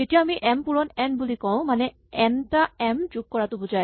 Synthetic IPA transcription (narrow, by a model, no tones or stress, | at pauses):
etijaːmiʔɛmpuɹɔnɛnbulikɔʊ̃manɛ | ɛntaɛmtuk̚kɔɹatʊbuza